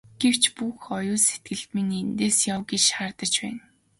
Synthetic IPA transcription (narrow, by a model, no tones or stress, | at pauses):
ɡ̥ew̥t͡ɕpuxɔjʊːset̪̚ɡɘ̆ɮt̪minent̪eːsjawɡet͡ɕχart̪ə̆t͡ɕpæːn